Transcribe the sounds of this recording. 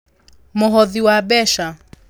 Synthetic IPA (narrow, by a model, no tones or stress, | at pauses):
mʊɦɔðiwaɓɛʃa